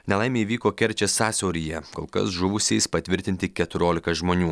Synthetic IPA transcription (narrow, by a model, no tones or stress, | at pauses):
nʲɛlˠɐɪmʲeːiʋʲiːkoːkʲɛɾʲt͡ʃʲɛsɑːsʲɛʊɾʲiːjɛkoːlˠkɐ̰sʒʊʋʊsʲɛɪspɐt̪ʲʋʲɪɾʲt̪ʲɪnʲt̪ʲɪkʲɛt̪ʊɾʲoːlʲɪkɐʒmoːnʲuː